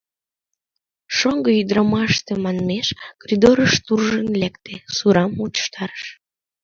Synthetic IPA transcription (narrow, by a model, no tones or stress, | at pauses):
ʃoŋɡəyd̪ɾɑmɑʃt̪emɑnmeʃkoɾʲid̪oɾəʃt̪urʒənlekt̪esuɾɑmut͡ɕə̥ʃt̪ɑɾəʃ